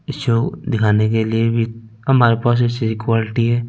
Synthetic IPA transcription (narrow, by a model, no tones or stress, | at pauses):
ɪsoːɡd̪ɪkʰaːnekeliebʱi | ɦɐmaːɾepaːs̬et͡ʃiikwaːlɪʈiɦɛː